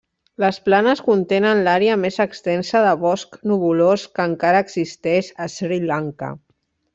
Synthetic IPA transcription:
ləsplanəskunt̪enənlaɾeəmezəkst̪ɛnsəðəβɔsknuβuloskəːŋkaɾəːɡzist̪ɛʃəsɾilaŋkə̰

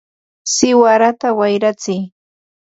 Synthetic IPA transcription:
sɪwaɾat̪awajɾat͡sɪj

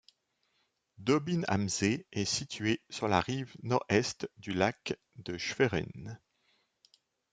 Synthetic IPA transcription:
d̪ɔbina̰mzeɛsit̪ʰɥesyʁla̰ʁivnɔʁɛst̪d̪ylak | d̪əʃfeʁɛ̰n

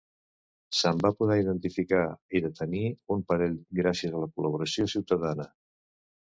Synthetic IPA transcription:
səmbapuðɛiðənt̪ifikaiðət̪əniumpəɾeʎɡɾasiəzələkuləβ̞uɾəsjosiwt̪əðanə

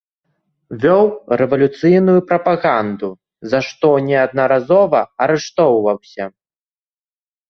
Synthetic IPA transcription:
vʲɔwrɛvɐlʲut̪sɨjnujupɾɐpaɣand̪u | zaʂt̪ɔnʲɛɐd̪nɐɾazɔvɐɐɾɛʂt̪ɔwvɐwsʲɐ

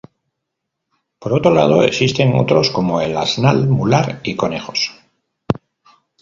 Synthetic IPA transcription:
po̞ɾo̞t̪ɾo̞la̰ð̞o̞e̞ksist̪e̞ŋo̰t̪ɾo̞sko̞mo̞e̞la̰znalmulaɾiko̞ne̞xo̞s

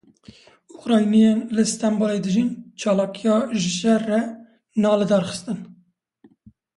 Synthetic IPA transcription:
ʊxɾɑːjnijenlɨst̪ɑmboːled̪ɨʒint͡ʃʰɑːlɑːkijɑːʒɪʃɛrːɛ | nɑːlɨd̪ɑːɾxə̥st̪ɨn

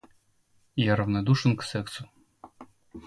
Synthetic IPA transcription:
jaɾɐvnɐd̪uʂɨnksɛksʊ

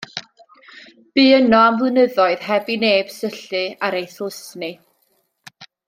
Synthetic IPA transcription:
b̥ɨːənɔamvlɨnəðɔɨð̥hɛbineːb̥səɬɨaɾejθlˠɪsnɨ

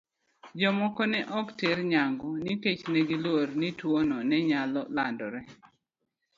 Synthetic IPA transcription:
d͡ʒɔmɔkɔnɛʔɔktɪɾɲaŋɡɔniket͡ʃnɛɡilwoɾnitwonɔnɛɲalɔlandɔɾɛ

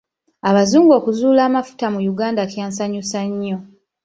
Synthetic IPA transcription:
aβazuːŋɡo̞ːkuzuːlaːmafu̥tamujuɡaːndakjaːnsaɲusaɲːo̞

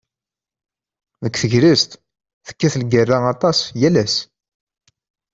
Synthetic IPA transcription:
ðəkːθəʝɾəst̪ | θə̥kːæθlɡərːaɑt̪ˤɑsjælæs

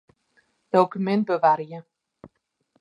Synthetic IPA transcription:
d̥owkymɛnt̚bəʋarjə

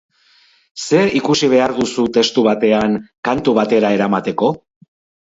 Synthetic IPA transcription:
se̞ikusiβ̞e̞aɾðusut̪e̞st̪uβ̞at̪e̞aŋkant̪uβ̞at̪e̞ɾae̞ɾamat̪e̞ko̞

